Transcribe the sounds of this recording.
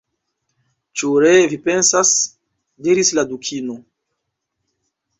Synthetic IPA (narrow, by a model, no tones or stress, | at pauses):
t͡ʃuɾevipe̞nsas | diɾisladukʰino